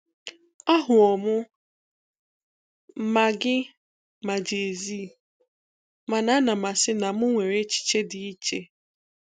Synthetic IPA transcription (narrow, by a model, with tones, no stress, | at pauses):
a˦ɦʊ˨ɔ˨mʊ˦ | m̩˦ma˨ɡɪ˦ | ma˨d͡ʒe˨zi˦ | ma˨na˨˦na˨ma˨sɪ˦na˨mʊ˦ŋʷe˨ɾe˦t͡ʃi̥˨t͡ʃe˦dɪ˨i˦t͡ʃe˦